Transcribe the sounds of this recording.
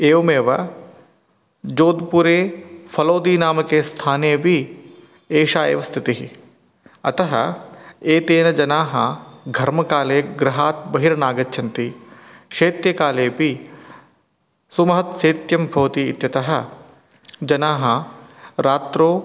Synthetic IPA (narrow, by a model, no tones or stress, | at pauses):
eːʋɐmeːʋɐ | d͡ʒoːd̪puɾeːfʰɐloːd̪iːnaːmɐkeːst̪ʰaːneːbʱi | eːʃaːḛʋɐst̪ʰit̪iɦi | ɐ̰t̪ɐɦɐ̰eːt̪eːnɐd͡ʒɐnaːɦɐɡʱɐɾmɐkaːleːɡɾɐɦaːt̪̚bɐɦiɾɐnaːɡɐtːt͡ʃʰɐnt̪i | ʃeːt̪jɐkaːleːbʱi | sumɐɦɐt̪seːt̪jɐmbʱoːt̪ḭːt̪jɐt̪ɐɦɐ̆ | d͡ʒɐnaːɦɐɾaːt̪ɾoː